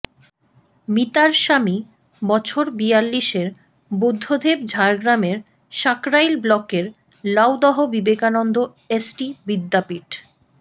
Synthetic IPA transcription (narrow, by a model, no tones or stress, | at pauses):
mit̪aɾʃami | bɔt͡ɕʰoɾbialːiʃeɾ | bud̪ʱːod̪ʱebd͡ʑʱaɾɡɾameɾ | ʃakɾajlblɔkeɾ | lawd̪ɔɦobibekanɔnd̪o | esʈibid̪ːapiʈ